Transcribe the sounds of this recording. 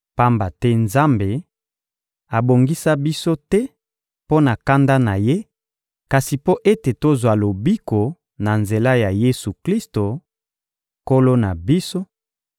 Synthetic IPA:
pa˦mba˨tɛ˦nza˦mbe˨ | a˨bo˨ŋɡi˦sa˦bi˦so˦tɛ˦ | po˦na˨ka˦nda˦na˨je˦ | ka˨si˨po˦ʔe˦te˨to˦zwa˨lo˨bi˦ko˨ | na˨nze˨la˦ja˨je˦su˨kli˦sto˨ | ko˦lo˦na˨bi˦so˦

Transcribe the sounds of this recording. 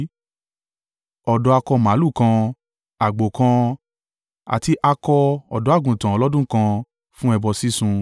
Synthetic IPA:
ɔ˨dɔ˧˦a˧kɔ˧mã˨˦lu˦˨kã˧ | a˨ɡ͡bo˨kã˧ | a̰˨ti˧ʔa˧kɔ˧ɔ˨dɔ˨˦a˦˨ɡũ˨tã˨ɔ˨˧lɔ˦dũ˦kã˧ | fũ˦ɛ˧bɔ˧si˦sũ˧

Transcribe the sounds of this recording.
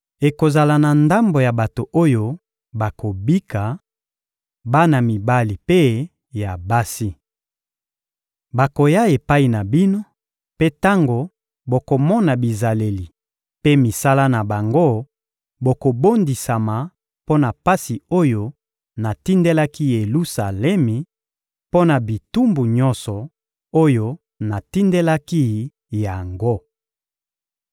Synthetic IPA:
e˨ko˨za˨la˨na˨nda˦mbo˨ja˨ba˨to˨ʔo˦jo˦ | ba˨ko˨bi˦ka˨ | ba˦na˨mi˨ba˦li˨pe˦ | ja˨ba˦si˦ | ba˨ko˨ja˦e˨pa˦i˨na˨bi˦no˦ | pe˦ta˦ŋɡo˨ | bo˨ko˨mɔ˦na˨bi˨za˨le˨li˨ | pe˦mi˨sa˦la˦na˨ba˨ŋɡo˦ | bo˨ko˨bo˦ndi˨sa˨ma˨ | po˦na˨pa˦si˨o˦jo˦ | na˨ti˦nde˦la˦ki˦je˨lu˦sa˨lɛ˦mi˨ | po˦na˨bi˨tu˦mbu˨ɲɔ˦nsɔ˨ | o˦jo˦ | na˨ti˦nde˦la˦ki˦ | ja˨ŋɡo˦

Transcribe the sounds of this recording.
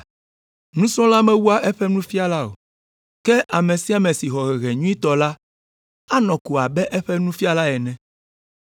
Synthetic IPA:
nũ˦sɔ̃˦la˦mɛ̃˦wu˦a˦ʔɛ˦ɸɛ˦nũ˦fi˦a˦la˦o̰˨ | kɛ˦ʔa˨mẽ˨si˦a˨mɛ̃˨si˨xɔ˨ɣɛ˨ɣɛ˨ɲũ˦i˦t̪ɔ˨la˦ | a˦nɔ̃˨ku˨a˨bɛ˦ʔɛ˦ɸɛ˦nũ˦fi˦a˦la˦ɛ˨nɛ̃˨

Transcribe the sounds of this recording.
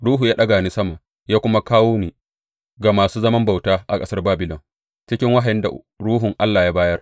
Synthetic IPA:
ɽuː˦ɦuː˨jaː˦ɗɐ˦ɡaː˨ni˦sɐ˦ma˨ | jaː˦kʷʊ˦ma˦kaː˦woː˦niː˨ | ɡa˨maː˨suː˦zɐ˦mɐ˦mba˨wtaː˦ʔa̰˨kʼɐ˦sɐ˦rbaː˦bɪ˨lɔ˨ŋ | t͡ʃɪ˦kʲɪ˦ŋwa˦ɦa˨jɪ˦nda̰˨ | ɽuː˦ɦʊ˨ŋʔa˦lːaː˨jaː˦baː˦jɐ˦r

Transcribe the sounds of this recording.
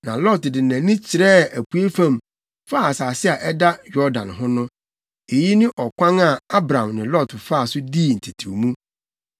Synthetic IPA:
nã̰˨lɔ˦˨tdɪ˨næ̃˨nɪ̃˦t͡ɕʰɪ˨ɾɛ˦æ˨kʰu˨e˦fã˦˨m | fa˦˨a˨saː˨sɪ˦a˨ʔɛ˦da˦jɔ˦dã̰˨nɦʊ̃˦nʊ̃˦ | e˨ji˦nɪ̃˦ʔɔ˨kʷʰã˦ŋa˨a˦bɾã˨mnɪ̃˨lɔ˦˨tfa˦˨sʊ˦diː˦˨n̩˨tʰi˨tʰu˨mũ˦

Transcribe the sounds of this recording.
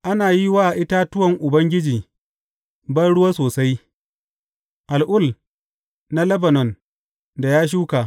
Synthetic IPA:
ʔa˦naː˨ji˦waː˦ʔa˨ʔɪ˦ta˦tʊ˦wɐ˨ŋʔʊ˨bɐ˦ŋɡʲɪ˦d͡ʒiː˨ | bɐ˦rɽʊ˦waː˦soː˨sa˦j | ʔa˨lʔʊ˦˨l | na˦lɐ˦bɐ˨nɔ˨n | da˨jaː˦ʃ̬uː˦ka˨

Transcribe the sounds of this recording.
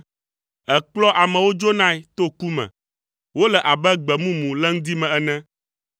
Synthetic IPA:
ɛ˨k͡plɔ˦ʔa˨mɛ̃˨wo˦d͡ʒo˦nã˦ɛ˦t̪o˦ku˦mɛ̰̃˨ | wo˦lɛ˨ʔa˨bɛ˦ɡ͡bɛ˨mũ˦mũ˨lɛ˦ŋ̩̃˦d̪i˦mɛ̃˨ɛ˨nɛ̃˦

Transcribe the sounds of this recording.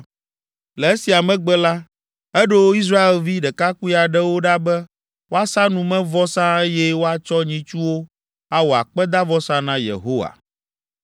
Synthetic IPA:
lɛ˨e˦si˨a˨mɛ̃˦ɡ͡bɛ˦la˦ | ɛ˦ɖo˦wo˦i˦s̬ɾa˦e˨lvi˦ɖɛ˨ka˦ku˦i˦a˨ɖɛ˦wo˦ɖa˦bɛ˦ | wo˦a˦sã˦nũ˨mɛ̃˦vɔ˦sã˦e˦jɛ˦wo˦a˨t͡ʃɔ˦ɲĩ˦t͡ʃu˦wo˦ | a˦wo˨a̰˨k͡pɛ˦d̪a˦vɔ˦sã˦nã˦jḛ˨ɦo˦wa̰˨

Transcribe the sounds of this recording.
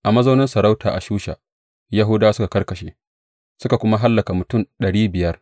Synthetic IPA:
ʔa˨mɐ˦za˦nɐ˦nsɐ˨ɾa˦wtʰa̰ː˨ʔa˨ʃuː˦ʃa̰ː˨ | ja˦ɦʊ˦daː˦sʊ˦ka˨kɐ˦rkɐ˨ʃḛː˨ | sʊ˦ka˨kʷʊ˦ma˦ɦa˦lːɐ˨ka˨mʊ˨tʊ˦˨nɗɐ˨ɽiː˦bɪ˨jɐ˦r

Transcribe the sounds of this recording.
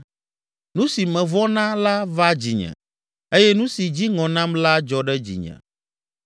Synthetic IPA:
nũ˦si˨mɛ̃˨vɔ˦nã˦la˦va˦d͡ʑḭ˨ɲɛ̰̃˨ | e˦jɛ˦nũ˦si˨d͡ʑi˦ŋɔ̃˨nã˦mla˦d͡ʒɔ˦ɖɛ˦d͡ʑḭ˨ɲɛ̰̃˨

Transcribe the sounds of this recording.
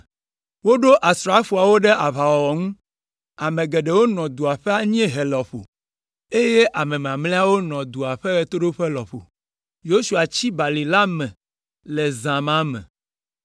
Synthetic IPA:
wo˦ɖo˦ʔa˨sɾa˦fu˨a˨wo˦ɖe˦ʔa˨βa˨wɔ˨wɔ˨ŋũ˦ | a˨mẽ˨ɡɛ˨ɖe˨wo˦nɔ̃˨d̪u˨a˨ɸɛ˦a˦ɲĩ˦ɛ̃˦ɦe˨lɔ˨ɸo̰˨ | e˦je˦ʔa˨mɛ̃˨m˨ã˨mle˦a˦wo˦nɔ̃˨d̪u˨a˨ɸe˦ɣɛ˦t̪o˦ɖo˦ɸɛ˦lɔ˨ɸo̰˨ | jo˦su˨a˨t͡ɕi˦ba˨li˨la˦mɛ̃˨ | lɛ˨zã˨mã˦mɛ̰̃˨

